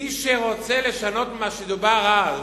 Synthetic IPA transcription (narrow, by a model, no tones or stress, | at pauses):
iʃeʁot͡seleʃanot̪maʃed̪ubaʁal